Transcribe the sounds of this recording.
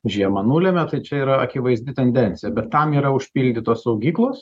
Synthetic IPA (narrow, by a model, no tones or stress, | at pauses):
ʒʲiɛmɐnuːlʲemʲɛt̪ɐɪt͡ʃʲɛiːɾɐɐkʲɪʋɐɪzʲd̪ʲɪt̪ʲɛnʲd̪ʲɛnʲtt͡s̪ʲɪjɛbʲɛt̪ːɐmiːɾɐʊʃʲpʲiːlʲd̪ʲit̪oːssɐʊɡʲiːklˠoːs